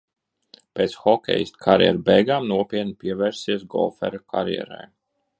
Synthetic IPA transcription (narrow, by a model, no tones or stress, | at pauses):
peːt̪sxɔkʲɛ̰jist̪kʰaɾjɛ̰ɾbɛjɡaːmnuɔpʲiɛt̪̚nipiɛvɛɾsiɛs̬ɡɔ̰lˠfɛ̰ɾaka̰ɾjɛ̰ɾa̰j